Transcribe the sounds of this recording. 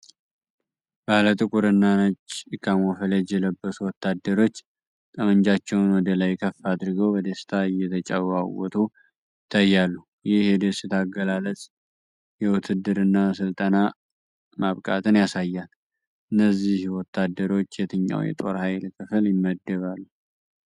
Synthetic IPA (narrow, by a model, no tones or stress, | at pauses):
b̥alət̪ʼɨkʼuɾɨnːanət͡ʃːɨkʰːamofələd͡ʒɛləbːəsuwɔt̪ːad̪ːəɾo̞t͡ʃː | t̪ʼəməɲd͡ʒat͡ʃːɛwnwɔd̪əlajkʰəfad̪ɾɨɡəwbəd̪əst̪ʰaɨjːɛt̪ʰət͡ʃʼawawɔt̪ʰu | ɪt̪ʰːajːalːu | jɪhjɛd̪əsɨt̪ʰaɡəlalət͡sʼ | jɛwʊt̪ʰɨd̪ːɨɾɨnːasɨlt̪ʼəna | maβkʼa̰t̪ʰɨnjasajːal | ɨnːəzːihwɔt̪ːad̪ːəɾo̞t͡ʃːjɛt̪ʰɨɲːa̰wjɛ̰t̪ʼo̞̰ɾhajlkʰɨfɨljɪmːəd̪ːəβalːu